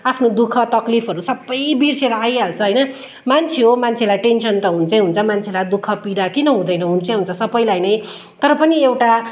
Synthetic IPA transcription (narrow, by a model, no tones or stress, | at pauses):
apʰnod̪ukʰʌt̪ʌklipʰʌɾusʌbːʌjbirseɾʌajɦalt͡sʰʌɦʌjnʌ | mant͡sʰeɦomant͡sʰelajʈensʌnt̪ʌɦunt͡sʰʌɦunt͡sʰʌmant͡sʰelad̪ukʰʌpiɽakinʌɦũd̪ʌjnʌɦunt͡sʰʌ̃ɦunt͡sʰʌsʌbʌjlajnʌj | t̪ʌɾʌpʌniewʈa